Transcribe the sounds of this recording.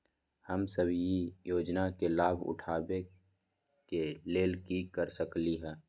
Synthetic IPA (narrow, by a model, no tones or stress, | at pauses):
həmsəbʱjijoːd͡ʒnakelaːbʱʊ̰ʈʰaːbe | keleːlkikəɾsəkliɦɛː